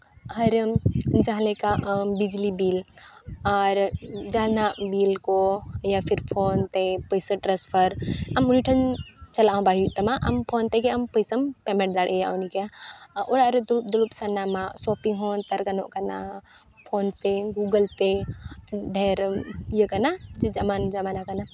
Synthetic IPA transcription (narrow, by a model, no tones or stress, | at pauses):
ɦɐɾd͡ʒaɦlekaʔbid͡ʒlibiːlaɾd͡ʒaːnabiːlkojapʰiɾpʰoːnt̪epəjsəʈɾaspʰəɾɐmuniʈʰɐnt͡ʃɐlaːɦũbaɦjuʔt̪ɐmaʔɐmpʰoːnt̪ekeɐmpəjsɐmpɛmɛ̃ɳʈ̚d̪aɽʔejaʔonikeaʔoɽaɾed̪ulup̚d̪ulupsɐnamasɔːpiŋɡɦoːnt̪ɐɾɡɐno̰ʔkana̰ | pʰoːnpeɡuːɡəlpe | ɖʱeɾijəkanad͡ʒed͡ʒɐmand͡ʒɐmaːnakana